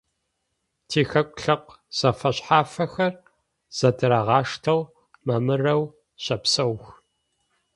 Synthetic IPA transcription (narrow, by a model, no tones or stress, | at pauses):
tʰiːxɐkʷʼɬɐqʷ | z̥ɐfɐɕħaːfɐxɐr | z̥ɐdɨɾaʁɑːʂtʰɐw | mɐmɨrɐw | ɕɐpsɐwx